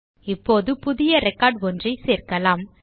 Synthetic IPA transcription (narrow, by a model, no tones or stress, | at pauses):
ɪpːoːðɯpʊðɪjɐɾɛkːaːɖʋɔndrɐɪseːɾkɐlaːm